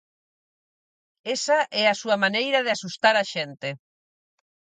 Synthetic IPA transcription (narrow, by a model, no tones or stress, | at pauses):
esaʔɛasuɐmanejɾaðɪasust̪aɾaʃent̪e